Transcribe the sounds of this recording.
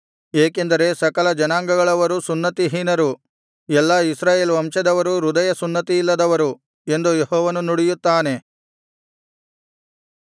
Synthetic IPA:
eːke̞nd̪ɐɾe̞sɐkɐlɐd͡ʒɐnaːŋɡɐɡɐɭɐʋɐɾusunːɐt̪iɦinɐɾu | ɛlːɐisɾaːjeːlʋɐmʂɐd̪ɐʋɐɾuɾud̪ɐjɐsunːɐt̪iilːɐd̪ɐʋɐɾu | e̞nd̪ujehɔːʋɐnunuɽijut̪ːaːne̞

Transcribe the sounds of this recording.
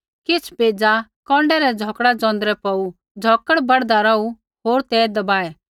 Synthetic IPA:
kɪt͡sʰpeːd͡zakɔ̃ːɳɖɛɾɛd͡zʱɔːkɽad͡zɔ̃ːnd̪ɾɛpɔu | d͡zʱɔːkəɽbɐɽd̪aɾɐu | ɦoːɾt̪ɛːd̪ɐbaːɛ

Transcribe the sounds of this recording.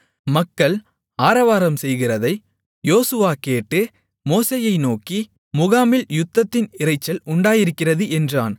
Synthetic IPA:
mɐkːɐɭ | aːɾɐʋaːɾɐmsɛjɣɪrɐðɐɪ | joːsɯʋaːkeːʈːɯ | moːseːjɐɪnoːki | mʊɣaːmɪljʊt̪ːɐt̪ːɪnɪrɐɪt͡ʃːɐlʊɳɖaːjɪɾɯkːɪrɐðɯʔɛndra̰ːn

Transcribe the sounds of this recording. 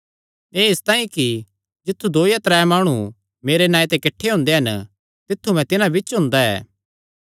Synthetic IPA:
eːɪst̪ãːĩki | d͡ʒɪt̪ʰːud̪oːjat̪ɾɛːmaːɽ̃u | meːɾenãːit̪ɛkɪʈʰːeɦʊ̃ːnd̪eɦɐnə | t̪ɪt̪ʰːumɛ̃t̪ɪnãbɪt͡ʃɦʊ̃nd̪aɛ̰ː

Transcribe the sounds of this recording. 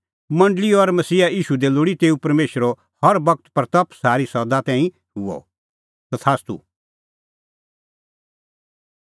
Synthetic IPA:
mɐ̃ɳɖliɔɾmɐsiːaiːʃud̪eloɽit̪eːupɐɾmeːʃəɾo | hɐɾbɐk̚t̪pɐɾt̪ɐpʰsaːɾisɔd̪at̪ɛ̃ːĩ | ʊɔ̰ | sɐt̪ʰaːst̪ṵ

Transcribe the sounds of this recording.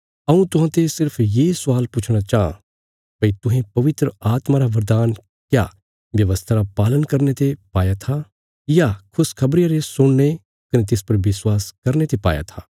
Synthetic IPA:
ɐũt̪ʊɦãːt̪esɪɾpʰjesʊaːlpʊt͡ʃʰɽ̃at͡ʃaːã̰ | bɐit̪ʊɦẽpɐʋɪt̪ɾəaːt̪maɾaʋɐɾd̪aːn | kjaː | ʋjɐʋəst̪ʰaɾapaːlənkɐɾnet̪epaːjat̪ʰa | jakʰʊskʰɐbɾjaɾesʊɽ̃ne | kɐnẽt̪̬ɪspɐɾʋɪswaːskɐɾnet̪epa̰ːja̰t̪ʰaː

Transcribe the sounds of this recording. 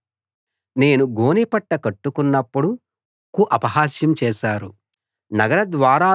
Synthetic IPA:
ne̞ːnuɡo̞ːnipɐʈːɐkɐʈːukunːɐpːuɽu | kuʔɐpɐɦaːsjɐmt͡ʃɛːʃaːɾu | nɐɡɐɾɐd̪ʋaːɾaː

